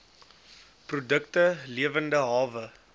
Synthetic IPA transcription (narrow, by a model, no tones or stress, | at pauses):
prudəktəliəvəndəɦɑːvə